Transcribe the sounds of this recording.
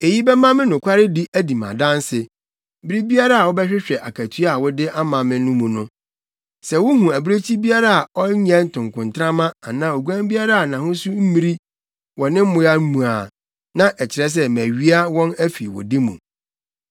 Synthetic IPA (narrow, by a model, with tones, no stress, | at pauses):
e˨ji˦bɛ˦mã˦mɪ̃˦nʊ̃˨kʰʷa˦ɾɪ˦di˦ʔæ˦di˨mã̰˨dã˦n˦sɪ˨ | bi˦ɾi˦bi˦a˦ɾa˦a˨wɔ˦bɛ˦ɕᶣɪ˦ɕᶣɛ˨ʔa˨kʰæ˨tʰu˦a˦˨wʊ˦dɪ˦ʔa˦mã˨mɪ̃˦nʊ̃˦mũ˨nʊ̃˦ | sɛ˨wʊ˦ɦũ˨æ˨bi˦ɾe˦t͡ɕʰi˦bi˦a˦ɾa˨a˨ɔ˦ɲɛ̃˦n̩˦tʰʊ̃˨ŋkʊ̃˨ntʰɾã˦mã˦a˨nã˦o˨ɡu˦ã˦mbi˦a˦ɾa˦a˨nã˨hʊ̃˦sʊ˦m̩˦mĩ˦ɾi˦ | wɔ˨nɪ̃˦m̩˦mʊ̃˦ja˦mũ˨a˨ | nã˦ʔɛ˨t͡ɕʰɪ˨ɾɛ˦s̬ɛ˦mæ˨ɥi˦a˦wɔ̃˦næ˦fḭ˨wɔ̰˨di˦mṵ̃˨